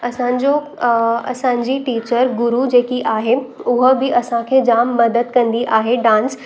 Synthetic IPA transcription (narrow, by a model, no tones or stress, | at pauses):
ɐsãɲd͡ʑo | ɐ̰sãɲd͡ʑiʈiːt͡ɕəɾɡʊɾud͡ʑeːkiʔaːɦeʊɦəbʱiʔɐsãkʰed͡ʑaːmːɐd̪əd̪̚kɐ̃nd̪iʔaːɦeɖãːns